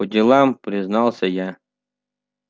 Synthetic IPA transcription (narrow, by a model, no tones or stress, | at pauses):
odʲɪlˠɑmpɾʲiznɑlˠsʲəja